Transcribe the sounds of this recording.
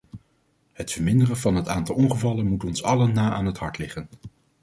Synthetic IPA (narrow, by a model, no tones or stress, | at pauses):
hətfəɹmɪndərəvɑnɦətaːntɑlˠɔnχəvɑlənmutɔnsɑlənːaːʔaːnɦətɦɑɹtlɪχən